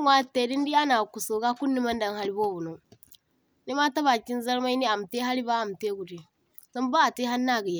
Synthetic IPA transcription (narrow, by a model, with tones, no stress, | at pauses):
ŋʷ˦a˦˨tːe˨di˦n˦di˦a˦na˨ku˨so˨ɡa˦ku˦nːi˦ma˦nda˦ŋha˦li˦bo˦bu˨no˨ | ni˦ma˦ta˦βa˨ki˦n˦za˦ɾma˦i˦ni˦a˨m˨te˦ɦa˦li˦baː˦˨m˨te˦ɡu˨di˨ | a˦m˦baː˦˨ti˦ɦa˦nːa˦˨ɡi˨je˨